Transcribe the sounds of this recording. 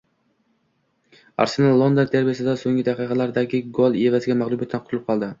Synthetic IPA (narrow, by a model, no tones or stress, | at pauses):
a̰ɾsenalˠlːˠond̪ont̪ʰeɾbijasɪd̪asoŋɡʲɪd̪aqɨqʰɑlaɾd̪aɡʲɪɡolˠe̞vazɪɡʲamaʁlˠubjat̪ʰːnqʊt̪ʰʊlɪp̚qʰɒlˠd̪ɪ